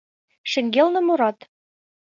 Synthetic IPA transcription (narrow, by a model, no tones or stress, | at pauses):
ʃɘ̆ŋɡʲelˠnɤ̆muɾɑt̪